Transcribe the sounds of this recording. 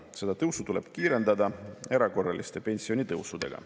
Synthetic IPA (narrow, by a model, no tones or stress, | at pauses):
se̞d̪ɑt̪ɤwsut̪ule̞b̥kiːɾe̞nd̪ɑd̪ɑe̞ɾɑko̞rːɑlist̪e̞pe̞nʲsio̞nʲit̪ɤwsud̪̥e̞̰ɡ̥ɑ̰